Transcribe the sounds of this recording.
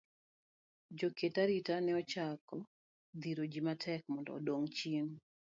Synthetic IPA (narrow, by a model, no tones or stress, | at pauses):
d͡ʒoketaɾitanɛɔt͡ʃakɔ | d̪iɾod͡ʒimatʰɛk̚mɔndɔ̰ːdoŋt͡ʃin